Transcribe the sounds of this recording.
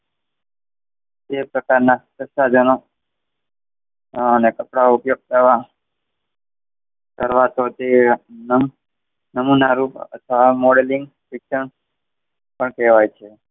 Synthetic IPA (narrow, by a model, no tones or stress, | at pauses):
t̪epɾəkaɾnat̪əsad͡ʒəno | ənekəpɽaupjoɡ̚t̪əɾʋa | kəɾʋat̪ʰot̪enə | nəmunaɾupə̰t̪ʰʋamoɽelĩŋɡ | sɪkʃəɳ | pəɳkɛʋajt͡ʃʰe